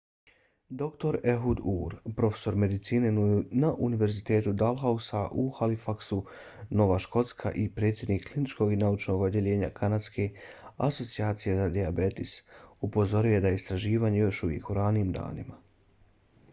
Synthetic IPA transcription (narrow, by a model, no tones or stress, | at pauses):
d̪o̞kt̪o̞ɾe̞ɦud̪uːɾpɾo̞fe̥so̞ɾme̞d̪it̪siːne̞naʔuniʋe̞ɾzit̪e̞ːt̪ud̪alˠɦausaʔuxalifaksu | no̞ʋaʃko̞t̪skʰa̰ʔipɾe̞ːt̪sʲje̞d̪nikʰːlinit͡ʃko̞ɡinaut͡ʃno̞ɡod̪je̞ʎe̞ːɲa̰kʰanat̪ske̞aso̞t̪siaːt̪sije̞zad̪iabe̞t̪isupo̞zo̞ɾije̞d̪ajeist̪ɾaʒiːʋaːɲe̞jo̞ʃuʋjḛkuɾaniiːmd̪a̰ːnima